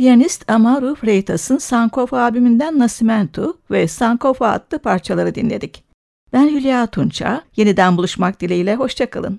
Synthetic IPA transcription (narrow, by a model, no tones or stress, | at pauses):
ijanist̪ʰamaɾufɾejt̪ʰasɯnsaŋkʰofaaːbimind̪ænːasimænt̪ʰuvɛsaŋkʰofa̰ːt̪lˠɯpʰaɾt͡ʃʰalˠaɾɯd̪inlʲed̪ic | b̥ænjylʲijaːt̪ʰunt͡ʃʰa̰je̞nid̪ænbulˠuʃmak̚d̪ilʲijlʲɛɦo̞ʃt͡ʃʰakɯlˠɯ̰n